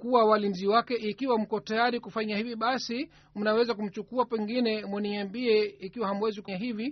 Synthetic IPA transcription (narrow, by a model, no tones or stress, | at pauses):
kuawalinziwakɛʔikiwam̩kɔtajaɾikufaɲahiviɓasi | m̩nawɛzakum̩t͡ʃukuapɛŋɡinɛmwɛniambiɛikiwahamwɛzikuɲaɦivi